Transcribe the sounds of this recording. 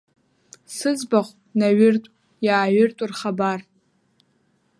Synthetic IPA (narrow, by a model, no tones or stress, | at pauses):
sɨzbaχʷ | naɥɪrtʷʼ | jaːɥʏrtʷʼurχabar